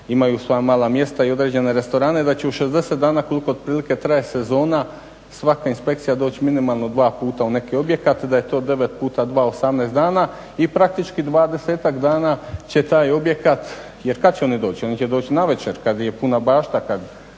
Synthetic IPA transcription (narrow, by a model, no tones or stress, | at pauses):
imajusʋo̞jamaːlˠamje̞st̪aio̞d̪ɾed͡ʑe̞ne̞ɾe̞st̪o̞ɾaːned̪at͡ɕe̞uʃezd̪e̞se̞t̪̚d̪aːnaːko̞likood̪̚pɾiːlike̞t̪ɾajese̞zo̞ːna | sʋakainspe̞k̚t̪sijad̪oːt͡ɕiminimalˠno̞d̪ʋaːpuːt̪aune̞kio̞bje̞kat̪d̪aje̞t̪o̞ːd̪e̞ʋe̞t̪puːt̪ad̪ʋaːosamneːst̪aːna | ipɾak̚t̪it͡ʃkid̪ʋaːd̪e̞se̞ːt̪akd̪aːnaːt͡ɕe̞t̪aːjo̞bje̞kat̪ | jeɾkad̪t͡ɕeo̞nid̪o̞ːt͡ɕio̞nit͡ɕed̪o̞ːt͡ɕinaʋe̞t͡ɕeɾkad̪jepunabaːʃt̪akad̪